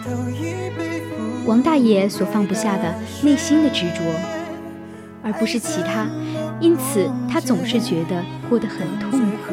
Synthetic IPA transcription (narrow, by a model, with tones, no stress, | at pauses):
wɑ˧˥ŋt̪a˥˩jɛ˧˥swɔ˨˩fɑ˥˧ŋpu˧ɕja˥˩d̪ə˩ne˥˩ɪɕi˥nd̪ə˨ʈ͡ʂɻ̩˧˥ʈ͡ʂwɔ˧˥ | ə˞˧˥pu˧˥ʂɻ̩˥˩t͡ɕʰi˧˥t̪ʰa˥i˥nt͡sʰɹ̩˨˩t̪ʰa˥t͡sʊ˨˩ŋʂɻ̩˥˩t͡ɕɥɛ˧˥d̪ə˧xwɔ˥˩d̪ə˧˦xə˨˩nt̪ʰʊ˥˩ŋkʰu˨˩